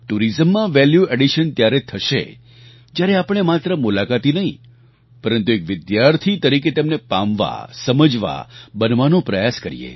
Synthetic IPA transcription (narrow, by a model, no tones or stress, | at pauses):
ʈuɾizəmːãʋɛljueɖiʃənt̪jaɾet̪ʰəʃḛ | d͡ʒjaɾeapəɳ̃emat̪ɾəmulakat̪inəɦĩ | pəɾənt̪uekʋɪd̪jaɾt̪ʰit̪əɾiket̪ɛmnepa̰mʋa̰səməd͡ʒʋa̰bənʋanõpɾəjaskəɾḭjḛ